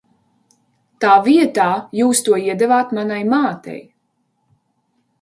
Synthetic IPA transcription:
t̪aːviɛt̪aːjuːst̪uɔiɛd̪ɛvaːt̪manajmaːt̪ɛ̰j

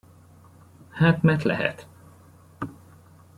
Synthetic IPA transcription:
haːt̪mɛrt̪lɛ̰ɦɛ̰t̪

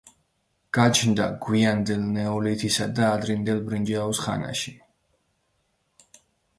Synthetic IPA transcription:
ɡ̥at͡ʃʰnd̪aɡ̥wiand̪ɛlnɛɔlit̪ʰisad̪aːd̪ɾind̪ɛlˠbɾind͡ʒaɔsχa̰na̰ʃi

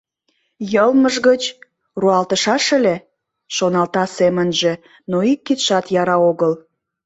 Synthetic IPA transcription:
jəlməʒɣət͡ɕ | ruɑlt̪əʃɑʃə̆le | ʃonɑlt̪ɑsemənʒe̽ | noikːit̪ʃɑt̪jɑɾɑoɣəl

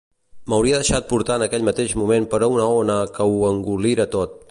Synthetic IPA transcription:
məwɾiəðəʃat̪̚puɾt̪aənəkɛʎmət̪eʒmumempəɾɔunəonəkəuəŋɡuliɾət̪ot̪̚

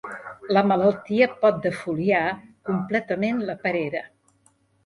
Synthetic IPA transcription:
ləmələlˠt̪iəpɔt̪̚d̪əfuliakumplɛt̪əmenləpəɾeɾə

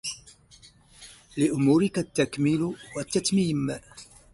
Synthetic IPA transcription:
lɪʔʊmuːɾɪkat̪ːakmɪlwat̪ːat̪miːm

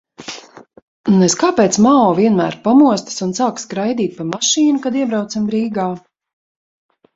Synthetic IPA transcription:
nuneskaːpɛːt̪smaɔːviɛnmæːɾpamuɔst̪ḁsunsaːkskɾajd̪iːt̪̚ʲpamaʃiːnukad̪iɛbɾawt̪sambɾiːɡaː

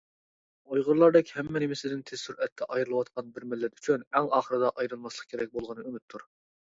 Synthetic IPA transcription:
ojʁʊɾlˠɑɾd̪ɛkʲhɛmːɛnɪmɪsɪd̪ɪnt̪ʰest̪uɾɛt̪ʰːɛʔɑjɾɨlˠɨwɑt̪̚qʰɑnbɪɾmɪlːɛt̪y̥t͡ʃʰynɛŋɑːχəɾɨd̪ɑʔɑjɾɨlˠmɑslˠəq̚kʲʰeɾɛk̚ʲbolˠʁənɨømyt̪ʰːuɾ

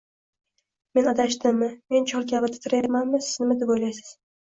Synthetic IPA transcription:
me̞nɒd̪aʃt̪ɪmːɪme̞nt͡ʃʰɒlˠkʲʰavɪt̪ʰɪ̥t̪ʰɪɾajaɾmanmɪsɪznɪmɪd̪ɪbojlajsɪ̥z̥

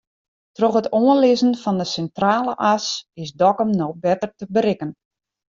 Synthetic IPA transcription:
trɔχɦətoənlɪzənfɔndəsɛntraːləʔasɪsdɔkəmnɔbɛtərtəbəɾɪkən

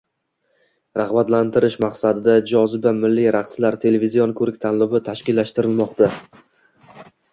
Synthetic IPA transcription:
ɾaχbat̪lant̪ʰɪɾɪʃmaqsad̪ɪd̪ad͡ʒɒzɪbamɪlːiɾaqʰslaɾt̪ʰe̞levizijonkʰɵɾɪk̚ʲt̪ʰanlʊbɪt̪ʰaʃkʲɪlːaʃt̪ɪɾɪlmɒqt̪ʰa

